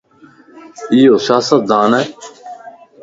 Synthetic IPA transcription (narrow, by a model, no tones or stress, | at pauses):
ijoːsjaːsət̪̚d̪aːnɛː